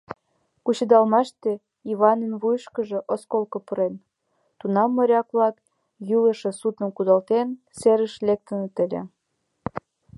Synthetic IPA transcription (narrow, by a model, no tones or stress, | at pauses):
kut͡ɕə̆d̪ɑlmɑʃt̪e | iβɑnənβujʃkə̆ʒĕʔoskolkŏpuɾen | t̪unɑmːə̆ɾʲɑkβlɑk | jylə̆ʃə̆sut̪ə̆nkud̪ɑlt̪en | seɾəʃlek̚t̪ə̆nə̆t̪ə̆lʲḛ